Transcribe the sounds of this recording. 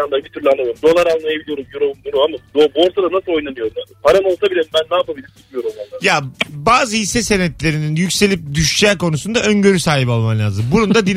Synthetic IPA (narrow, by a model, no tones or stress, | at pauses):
and̪abit̪ʰyɾlʲanˠalˠɾmd̪o̞lˠaɾanlˠajabilʲijo̞ɾumjoɾobumd̪uɾuamad̪obo̞ɾsad̪anasɯlˠo̞jnanɯjo̞ɾumad̪ɯpʰaɾano̞lˠsabilʲɛmbænːaːpabilʲiɾt͡ʃikijo̞ɾumanˠajabaːzɯhisɛse̞nɛt̪lʲe̞ɾininjycʲse̞lʲip̚d̪yʃt͡ʃɛːko̞nusund̪aø̞nɟø̞ɾysaːɦipalˠmamlʲaːzɯmbunund̪ad̪in